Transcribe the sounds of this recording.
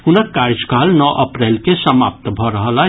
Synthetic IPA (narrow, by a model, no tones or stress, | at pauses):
ɦʊnəkkaːɾd͡ʒkaːlnɔːʔɐpɾɛːlkesəma̰ːp̚t̪bʱəɾəɦəla